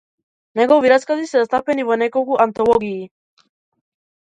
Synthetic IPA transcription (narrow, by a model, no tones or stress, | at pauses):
neɣoβiɾaskazisɛast̪apeniβonekokuʔant̪oβoɣiː